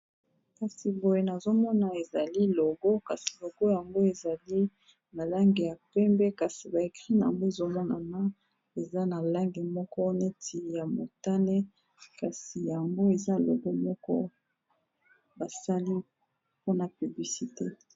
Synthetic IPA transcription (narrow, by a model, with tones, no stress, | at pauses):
ka˨si˨bo˨je˨na˨zo˦mɔ˦na˨e˨za˨li˦lo˨ɡo˦ka˨si̥˨lo˨ɡo˦ja˨ŋɡo˦e˨za˨li˦ | na˨la˦ŋɡe˨ja˨pɛ˦mbɛ˦ka˨si˨ba˨e˨kʁi˦na˨a̰˨ŋɡo˦e˨zo˦mɔ˦na̰˨ma˦ | e˨za˦na˨la˦ŋɡe˨mɔ˦kɔ˦ne˦tʰi˨ja˨mo̰˨ta˦nɛ˦ | ka˨si˨ja˨ŋɡo˦e˨za˦˨lo̰˨ɡo˦mɔ˦kɔ˦ | ba˨sa˦li˦ | po˦na˨py˨bli˨si˨te˦